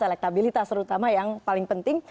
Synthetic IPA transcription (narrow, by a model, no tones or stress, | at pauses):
ɛlɛk̚t̪abilit̪ast̪əɾut̪amajaŋpalɪŋpənt̪ɪŋ